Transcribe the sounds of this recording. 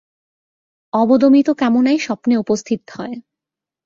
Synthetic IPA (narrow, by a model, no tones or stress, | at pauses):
ɔbod̪omit̪okɛmonajʃɔpneupost̪ʰit̪hɔe